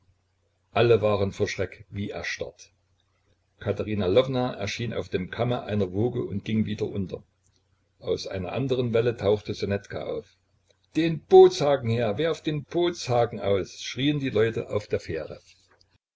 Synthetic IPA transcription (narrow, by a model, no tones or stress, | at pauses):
ʔaləvaːʁənfoːɐʃʁ̥ɛkviːʔɛ̰ɐʃta̰t | kʰataʁiːnalɔvnaʔɛ̰ɐʃiːnʔa̰ʊfd̥eːmkʰaməʔa̰ɪnɐvoːɡəʊntɡ̥ɪŋviːdɐ̰ʔʊntʰɐ | ʔaʊsʔa̰ɪnɐ̰ʔa̰ndəʁənvɛlətʰaʊxtəzonɛtkʰa̰ʔa̰ʊf | d̥eːnb̥oːt͡shaːɡŋ̩heːɐvɛɐfd̥eːnb̥oːt͡shaːɡŋ̩ʔa̰ʊsʃʁ̥iːəndiːlɔʏtəʔaʊfd̥eːɐfeːʁə